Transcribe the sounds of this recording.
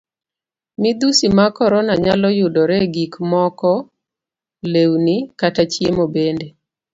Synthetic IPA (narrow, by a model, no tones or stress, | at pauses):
mid̪usimakɔɾɔnaɲalɔjʊdɔɾɛɡikmɔkɔ | lewnikatat͡ʃjemobende